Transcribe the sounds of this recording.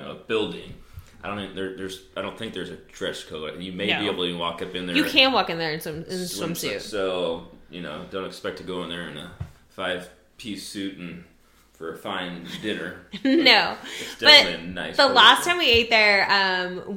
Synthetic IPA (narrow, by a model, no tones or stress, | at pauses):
oʊəb̥ɪlˠdɪ̃ŋaɪdõʊ̃nðə˞ðə˞z̥aɪɾõʊ̃nθɪ̃ŋk̚ðə˞zɨtʰɹ̥ɛʃkʰoʊ̃jɨmeɪieɪbl̩ˠtəwɔkʌpɨ̃nðəjɨkʰæ̃nwɔkɨ̃nðə˞ɨ̃nsʌ̃mɪ̃nsʌ̃msʉtsoʊjɨnoʊdõʊ̃ntɨkspɛk̚tʰɨɡoʊə̃nðə˞ɨ̃nə̰ | faɪv̥ | pʰisʉʔn̩ | fə˞ɨfãɪ̃ndɪ̃nə˞noʊɨd̥ʌbʌiɨna̰ɪsðəllæstʰãɪ̃mwieɪt̪̚ðə˞ʌ̃m